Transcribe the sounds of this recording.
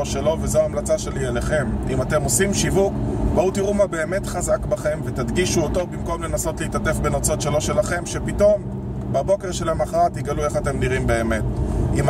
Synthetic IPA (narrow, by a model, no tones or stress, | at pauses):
oʃelo̞vezoaːmlat͡saʃe̞lieleχe̞mimate̞mo̞simʃivukbautiʁumabe̞ːme̞t̪χazakbaχe̞mve̞tad̪ɡiʃuoto̞bimko̞mle̞naso̞tliitate̞fbe̞not͡so̞tʃe̞lo̞ʃe̞laχe̞mʃe̞pito̞m | babo̞ke̞ʁʃelemaχaʁat̪iɡalueχate̞mniʁimbe̞ːmetima